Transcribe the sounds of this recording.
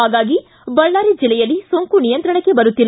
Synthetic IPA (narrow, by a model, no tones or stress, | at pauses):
aːɡaːɡi | bɐɭːaːɾid͡ʒilːɛjɐlːisoŋkunijɐnt̪ɾɐɳɐkːe̞bɐɾut̪ːilː